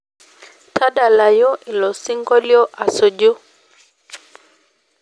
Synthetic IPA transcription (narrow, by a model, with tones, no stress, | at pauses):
tʰa˦ɗa˨la˨jɔ˦ʔi˨lɔ˨si˦ŋɡɔ˦ljɔ˦ʔa˨so˨d͡ʒu˦